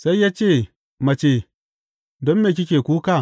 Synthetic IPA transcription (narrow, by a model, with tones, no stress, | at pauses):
sa˦i˦ja˦t͡ʃe˦˨ | ma˨t͡ʃe˨ | do˦mme˨k̬ʲi˦kʲe˨ku˦ka˦˨